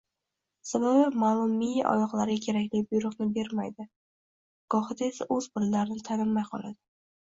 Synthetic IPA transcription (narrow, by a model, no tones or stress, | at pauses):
sababɪmaːlˠʊmːijaʔɒ̰jɒqlˠaɾɡʲakʲʰe̞ɾakʲlɪjbʊjɾʊqnɪbe̞ɾmajd̪ɪ | ɡ̥ɒhɪd̪aesaʔɵzbɪɾlaɾɪnɪt̪ʰanɪmːajqʰɒ̰lˠa̰d̪ɪ